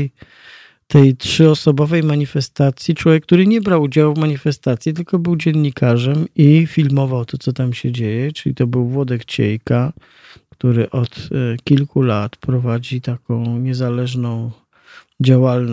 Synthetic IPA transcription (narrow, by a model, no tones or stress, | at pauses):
j | t̪ɛjtʂɘɔsɔbɔvɛjmaɲifɛst̪at̪sʲjit͡ʂwɔvjɛkːt̪uɾɘɲɛbɾawud͡ʑawvmaɲifɛst̪at̪sʲjit̪ɘlkɔbɘwd͡ʑɛnɲikaʐɛmifʲilmɔvawt̪ɔt̪sɔt̪amɕɛd͡ʑejɛt͡ʂɘlʲḭt̪ɔbɘwvwɔd̪ɛkt͡ɕḛjka | kt̪uɾɘʔɔt̪kʲilkulat̪pɾɔvad͡ʑit̪akɔ̃w̃ɲɛzalɛʐnɔ̃w̃ | d͡ʑawaln